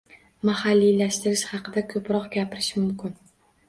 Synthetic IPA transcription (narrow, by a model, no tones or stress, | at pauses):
mahalːilaʃt̪ɪɾɪʃhɑqʰɨd̪akʰɵpɾɒqɡʲapɪɾɪ̥ʃmʊmkʲɪn